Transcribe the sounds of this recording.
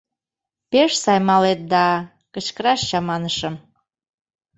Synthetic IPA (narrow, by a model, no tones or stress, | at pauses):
peʃsɑjmɑlet̪̚d̪ɑ | kət͡ɕkəɾɑʃt͡ɕɑmɑnəʃə̆m